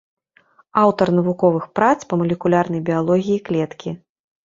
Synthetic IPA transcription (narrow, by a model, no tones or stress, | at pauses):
awt̪ɐrnɐvukɔvɨxpɾat̪spɐmulʲɛkulʲarn̪ɐjbʲijalˠɔɣʲijiklʲɛt̪kʲi